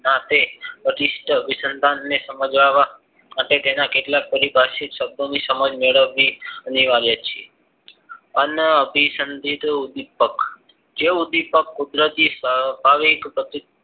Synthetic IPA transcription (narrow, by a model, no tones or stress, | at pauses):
nat̪eəʈisʈəʋisənd̪ʱanːesəməd͡ʒʋaʋa | maʈet̪enakeʈlak̚pəɾibʱaʃikʃəb̚d̪ʱonisəməd͡ʒmeɭəʋːiəniʋaɾjət͡ʃʰe | ənəbʱisənd̪ʱit̪ud̪ipək | d͡ʒeud̪ipəkːud̪ɾət̪isəbʱaʋikpɾət̪i